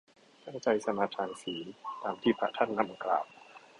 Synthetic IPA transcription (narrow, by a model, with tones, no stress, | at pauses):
t̪ʰa˥˩nt͡ɕa˧jsa˧maː˧t̪ʰaː˧nsiː˩˦nt̪aː˧mt̪ʰiː˥˩pʰa̰˦˧˩t̪ʰa˥˩nːa˦˥˩mʔkla̰ː˨˩w̚